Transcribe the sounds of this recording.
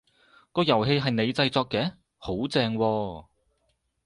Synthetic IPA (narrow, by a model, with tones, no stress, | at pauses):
kɔː˧jɐ˨˩wɦe˧jɦɐ˨jne˨˧jt͡sɐ˧jt͡sɔː˧kːɛː˨˥ | ho˨˥wt͡sɛː˧ŋwɔː˧